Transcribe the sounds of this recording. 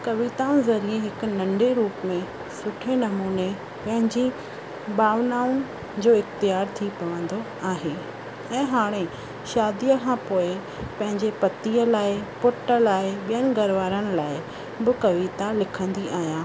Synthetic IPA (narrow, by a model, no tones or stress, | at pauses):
kɐʋit̪ãːʊ̃zɐɾiẽɦɪkʊ̆nɐ̃ɳɖeɾuːpmẽ | sʊʈʰenɐmuːne | pɐ̃ɦɪ̃ɲd͡ʑi | baːʋnaːʊn̆ | d͡ʑoːɪxt̪ijaːɾt̪ʰipɐʋə̃nd̪o | aːɦe | ɛ̃ːɦaːɽ̃e | ʃaːd̪ijəkʰãpoːɪ | pɐ̃ɦɪ̃ɲd͡ʑepɐt̪iəlaːɪpʊʈə̆laːɪɓijənɪ̆ɡɐɾʋaːɾənɪ̆laːɪ | bɪkɐʋit̪alɪkʰə̃nd̪iʔaːɦijaː